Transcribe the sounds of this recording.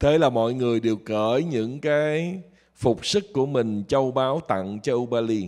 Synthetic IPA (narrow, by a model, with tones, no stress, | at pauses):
t̪ʰe˨˦laː˨˩mɔ̰˧˨jŋɨ˨˩əjɗe˨˩wkəː˧˩jɲɨ̰˧˥ŋkaː˨˦j | fʊ˨˩k͡p̚sɨ˦˥kku˧˩əmï˨˩ŋ̟t͡ɕə˧wɓaː˨˦wt̪a̰˧˨ŋt͡ɕɔ˧ʔu˧ɓaː˧li˧